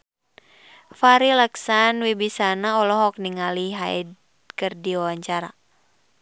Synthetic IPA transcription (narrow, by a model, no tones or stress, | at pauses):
faɾilɛksanwibisanaɔlɔɦɔk̚niŋaliɦaid | kərdiawaɲt͡ʃaɾa